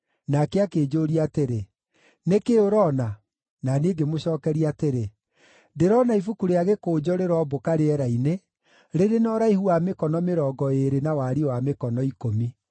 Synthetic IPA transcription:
nakɛakeːd͡ʒoɾiateɾe | nekeoɾɔna | naneːɡemoɕɔːkɛɾiateɾe | deɾɔnaifukuɾeaɣekoːd͡ʑɔɾeɾɔbokaɾeɛɾaine | ɾeɾenɔɾaihuamekɔnɔmeɾɔːɡɔeɾenawaɾiwamekɔnɔikomi

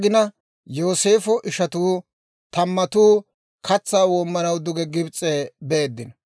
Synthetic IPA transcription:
ɡɪnɐ | jo̞ːse̞ːfɔʔɪʃɐt̪uː | t̪ɐmːɐt̪uː | kʰɐt͡sːaːwoːmːɐnɐwd̪ʊɡɛɡɪbt͡sʼːebeːd̪ːɪn

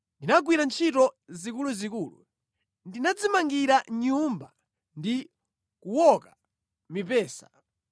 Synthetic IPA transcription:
ndinaɡwiɾant͡ʃʰitɔzikuluzikuːlṵ | ndinad͡zimaŋɡiɾaɲumba | ndi | kuwɔka | mipɛːsḁ̰

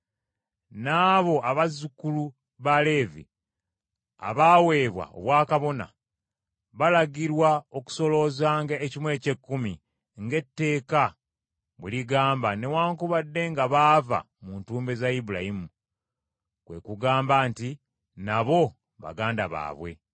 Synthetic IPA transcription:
naːβo̞ʔaβazukulu | βale̞ːvḭ | a̰βaːwe̞ːβwa̰o̰βwaːkaβo̞na̰ | βalaɡiɾwao̞ku̥so̞lo̞zaːŋɡaecimwe̞ːce̞kːumi | ŋɡe̞tːe̞ːka | βuliɡaːmbane̞waːŋkuβadːe̞ŋɡaβaːva̰ | muːntuːmbe̞zaibulajimu | kwe̞̰kuɡaːmbaːnti | naβo̞ | βa̰ɡaːndaβa̰ːβwe̞̰

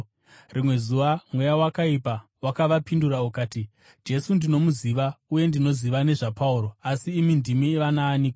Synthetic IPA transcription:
rimwe̞zuʋamwe̞jawakaipawakaʋapinduɾaukaːti | d͡ʒe̞sundino̞muziʋauje̞ndino̞ziʋane̞ʐapauɾo̞asiːmindimiʋanaːniːko

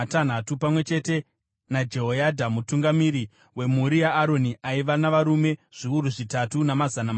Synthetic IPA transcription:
atan̤atupamwe̞t͡ʃe̞te̞ | nad͡ʒe̞ɦojadʱamutuŋɡamiɾi | we̞muɾijaːɾo̞niʔaiʋanaʋaɾume̞ʐ̥iuɾuʐitatunamazanam

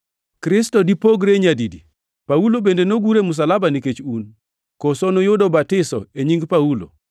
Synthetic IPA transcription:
kɾɪstɔdipoɡɾeɲadidi | paulobendenoɡuɾemʊs̬alabaniket͡ʃun | kɔsɔnojʊdɔbatɪsɔ̰eɲiŋɡpaulo̰

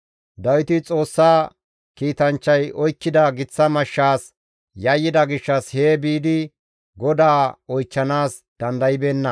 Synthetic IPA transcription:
d̪ɐwɪt̪ɪt͡sʼo̞ːsːaː | kiːt̪ɐnt͡ʃːɐjɔjkːɪd̪ɐɡɪt͡sːɐmɐʃːaːs | jɐjːɪd̪ɐɡɪʃːɐshe̞ːbiːd̪ɪ | ɡɔd̪aːɔjt͡ʃːɐnaːs | d̪̥ɐnd̪ɐjɪbeːnːɐ

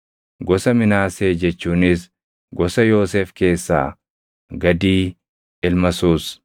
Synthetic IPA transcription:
ɡɔsɐmɪnaːseːd͡ʒɛt͡ʃːuːnɪs | ɡɔsɐjo̞ːseːfke̞ːsːa̰ː | ɡɐd̪iː | ɪlmɐsuːs

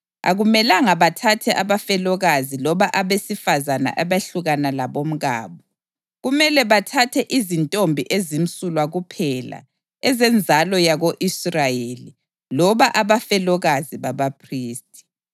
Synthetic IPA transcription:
a̰ɣumɛlaŋaβatʰatʰɛʔaβafɛlɔɣazilɔβaʔaβesifazana̰ʔaβaɬuɣanalaβom̩ɣa̰ːβɔ | ɣumɛlɛβatʰatʰɛʔizintʼombʱiʔezim̩sʼulwaɣupʰɛla̰ | ɛzɛnd͡zʱalɔjaɣoʔisrajeli | lɔβaʔaβafɛlɔɣaziβaβapʰriːstʼi̥

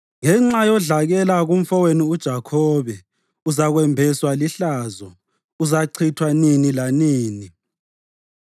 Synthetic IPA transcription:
ŋɛŋ͡ǁajɔɮaɣɛlaɣum̩fɔweniud̥ʒ̥ʱakʰɔβɛ | uzaɣwɛmbʱɛswaliɬaːzɔ | uzaǀʰitʰwaninilaniːni

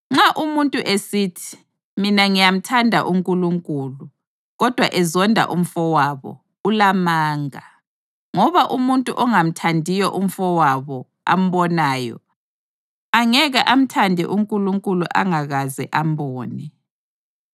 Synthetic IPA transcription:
ŋ͡ǁaʔumuntʼuʔesiːtʰi̥ | minaŋijam̩tʰandʱa̰ʔuŋkʼuluŋkʼuːlu | ɣɔd̥ʱwaʔɛzɔndʱa̰ʔum̩fɔwaβɔ̰ | ulamaːŋa | ŋɔβaʔumuntʼṵʔɔŋam̩tʰandʱijɔʔum̩fɔwaβɔ | a̰m̩βɔnaːjɔ̰ | aŋɛɣaʔam̩tʰandʱɛ̰ʔuŋkʼuluŋkʼuluʔa̰ŋaɣazɛ̰ʔam̩bɔːnɛ

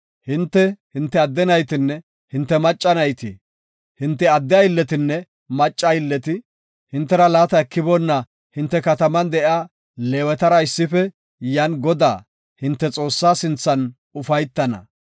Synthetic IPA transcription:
hɪnt̪ːɛhɪnt̪ːɛɐd̪ːɛnɐjt̪ɪnːɛ | hɪnt̪ːɛmɐt͡ʃʼːɐnɐjt̪ɪ | hɪnt̪ːɛɐd̪ːɛɐɪlːɛt̪ɪnːɛ | mɐt͡ʃʼːɐjɪlːɛt̪ɪ | hɪnt̪ːɛɾɐlaːt̪ɐɛkːɪbɔnːɐ | hɪnt̪ːɛkɐt̪ɐmɐnd̪ɛʔɪaː | leːwɛt̪ɐɾɐɪsːɪfɛ | jɐnɡɔd̪a̰ː | hɪnt̪ːɛt͡sʼo̞ːsːaːsɪnt͡sːɐn | ʊfɐjt̪ːɐnɐ̰

